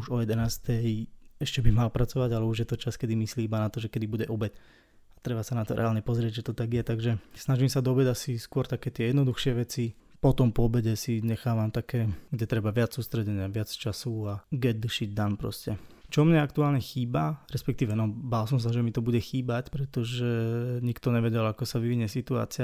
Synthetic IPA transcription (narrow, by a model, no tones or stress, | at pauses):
uʒɔjɛd̪ɛnaːst̪ʰɛjɛʃcɛbimalpɾat͡sɔʋaɟalɛuʒjɛt̪ɔt͡ʃaskɛd̪imisliːibanat̪ɔʒɛkɛd̪ibuɟɛʔɔbɛt | at̪ɾɛbasanat̪ɔɾɛ̰aːlɲɛpɔzɾɪɛɟʒɛt̪ɔt̪aɡjɛt̪aɡʒɛsnaʒimsad̪ɔbɛdasiskʊɔɾt̪akɛːt̪ɪɛjɛd̪nɔd̪uxʃɪɛʋɛt͡si | pɔt̪ɔmpɔɔbɛɟɛsiɲɛxaːʋamt̪akɛːɡɟɛt̪ɾɛbaʋɪat͡ssuːst̪ɾɛɟɛɲɪaʋɪat͡st͡ʃasuaɡɛd̪̚d̪ʃiɟd̪anpɾɔ̰scɛt͡ʃɔmɲɛakt̪uaːlɲɛxiːbaɾɛspɛk̚t̪iːʋɛnɔbaːls̬ɔms̬aʒɛmit̪ɔbuɟɛxiːbacpɾɛt̪ɔʒɛɲikt̪ɔɲɛʋɛɟɛlakɔsaʋiʋiɲɛsit̪ua̰ːt͡sɪa